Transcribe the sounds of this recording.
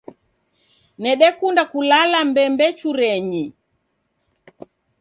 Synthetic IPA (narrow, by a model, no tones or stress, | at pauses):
nɛɗɛkundakulalambɛmbɛt͡ʃuɾɛɲi